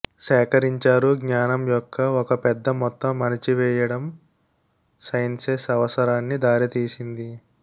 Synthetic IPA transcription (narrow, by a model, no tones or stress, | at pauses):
sɛːkɐɾiɲt͡ʃaːɾuɡɲaːnɐmjɔkʰːɐɔkɐpɛd̪ːɐmɔt̪ːɐmːɐnɐt͡ʃiʋɛːjɐɽɐm | sɐjnsesɐʋɐsɐɾaːnːid̪aːɾit̪iːsind̪i